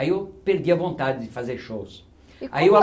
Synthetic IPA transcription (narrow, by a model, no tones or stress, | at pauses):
iopeɾd̪iɐvõnt̪ad̪ɪd̪ɪfazeɾʃos | a̰iwa